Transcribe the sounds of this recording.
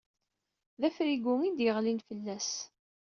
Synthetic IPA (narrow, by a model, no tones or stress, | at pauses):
ðæfɾiɡʊmid̪jəʁlinfəlːæs